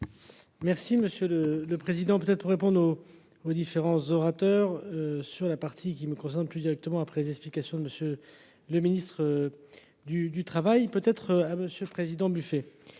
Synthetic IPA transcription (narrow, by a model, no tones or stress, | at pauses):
mɛʁsiməsjølələpχezid̪ɑ̃pøt̪ɛt̪̚χəpuʁːepɔ̃d̪ʁoː | d̪ifeʁɑ̃zɔʁat̪œʁsyʁlapaʁt̪ʰikʲiməkɔ̃s̬ɛʁnplyd̪iʁɛk̚t̪əmɑ̃apχɛlezɛksplikasjɔ̃d̪əməsjø | ləminist̪χə | d̪yd̪yt̪χavajpøt̪ɛt̪χaməsjøləpχezid̪ɑ̃byfe